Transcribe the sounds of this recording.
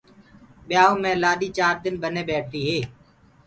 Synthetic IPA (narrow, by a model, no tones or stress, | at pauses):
ɓɪjaːõːmẽːlaːɗiːt͡ʃaːɾd̪ɪnbəneːɓɛːʈ̚ʰt̪iːɦeː